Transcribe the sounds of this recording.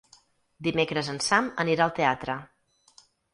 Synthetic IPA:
d̪imekɾəzənsaməniɾaəlˠt̪eat̪ɾə

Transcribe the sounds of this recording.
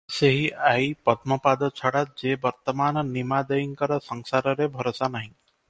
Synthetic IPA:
seɦiʔaipəd̪mɔpad̪ɔt͡ʃʰɔɽat̪̚d͡ʒebəɾt̪əmaːnnimad̪əiŋkəɾɔsəŋsaɾɔɾebʱɔɾosanaɦĩ

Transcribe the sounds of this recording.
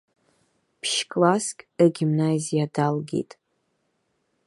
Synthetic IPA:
pʰʃkʼlaskʲʼaɡʲimnazijadalɡʲḛtʼ

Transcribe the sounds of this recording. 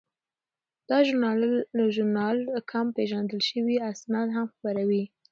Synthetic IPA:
d̪̥ɑʒʊɑʒʊɾnɑlkʰampeʒand̪əlʃəwiasnɑd̪ɦamxbaɾawi

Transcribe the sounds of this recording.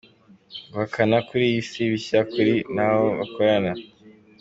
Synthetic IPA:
βakʰanakuɾijisiβiɕakuɾinahoβa̰kʰoɾana

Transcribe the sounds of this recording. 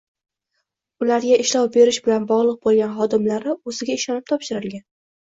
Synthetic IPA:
ʊlaɾɡʲaɪʃlɒwbe̞ɾɪʃbɪlanbɒʁlˠɨq̚bolˠɡʲanχɒd̪ɪmlaɾɪɵzɪɡʲaɪʃɒnɪp̚t̪ʰɒpʃɪɾɪlɡʲan

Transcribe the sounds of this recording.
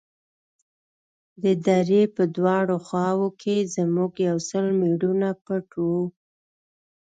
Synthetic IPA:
d̪əd̪aɾepəd̪wɑɽoxɑwokʰezəmuɡjawsəlmiɽunapəʈʰu

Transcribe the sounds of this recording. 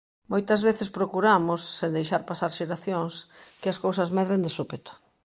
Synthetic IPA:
mojt̪ɐzβeθɪspɾokuɾamosːend̪ejʃaɾpasaɾʃeɾaθjoŋskɪɐskowsɐzmɛðɾend̪esupet̪ʊ̥

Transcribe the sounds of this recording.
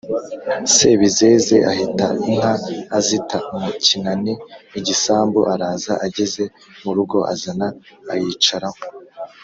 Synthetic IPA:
se̞ːβize̞ːze̞ʔahita̰in̥haːzitamucinaniiɟisaːmbuʔaɾaːzaʔaɟeze̞ | muɾuɡo̞ʔa̰zanaːjit͡ʃaɾamo

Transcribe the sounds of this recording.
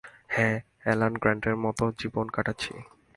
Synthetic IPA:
hɛ̃ | ɛlanɡɾaɳʈeɾmɔt̪od͡ʑibonkaʈatːɕʰḭ

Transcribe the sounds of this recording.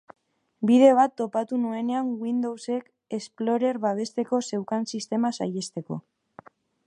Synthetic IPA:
bið̞e̞β̞at̪ːo̞pat̪unue̞ne̞aŋɡwind̪o̞wse̞k | e̞splo̞ɾe̞ɾβaβ̞e̞st̪e̞ko̞se̞wkansist̪e̞masa̰je̞st̪e̞ko̞̰

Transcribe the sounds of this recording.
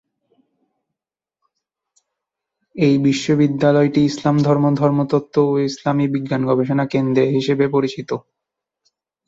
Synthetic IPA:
ejbiʃːobid̪ːalɔeʈiislamd̪ʱɔɾmod̪ʱɔɾmot̪ɔt̪ʰːooislamibiɡːanɡɔbeʃonakend̪ɾeɦiʃebepoɾit͡ɕit̪o

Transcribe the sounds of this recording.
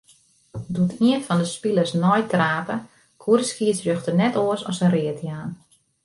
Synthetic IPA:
dutʰiənfɔndəspiləsnɔjtraːpə | kʰuɾəskiəsjøxtənɛtoəsɔ̰sənrɪətjaːn

